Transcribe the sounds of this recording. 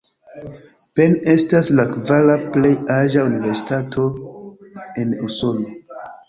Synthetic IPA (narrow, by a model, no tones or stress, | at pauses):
pe̞ne̞staslakvalaple̞jaɾʒaunive̞ɾsi̥tatʰo̞ | e̞nuso̞no